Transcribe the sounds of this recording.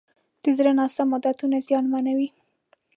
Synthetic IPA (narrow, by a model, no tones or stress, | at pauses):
d̪̥əzɾanɑst̪amʊd̪at̪unazjɑnmanawi